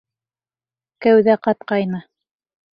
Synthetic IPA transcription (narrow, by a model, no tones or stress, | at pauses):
kæwðæqɑt̪̚qɑjnɤ